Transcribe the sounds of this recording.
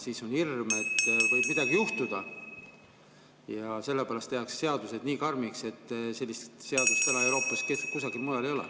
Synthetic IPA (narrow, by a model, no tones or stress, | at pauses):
siːso̞nhirme̞t̪ːvɤjb̥mid̪̥ɑɡ̥ijuht̪ud̪̥ɑ | jɑse̞lːepæːlɑst̪ehɑksːe̞ɑd̪use̞d̪̥niːkɑrmikse̞t̪ːse̞lʲːist̪se̞ɑd̪̥ust̪sɑnɑewɾo̞ːpːˑɑskest̪ukusɑɡ̥ilmujɑle̞jo̞lḛ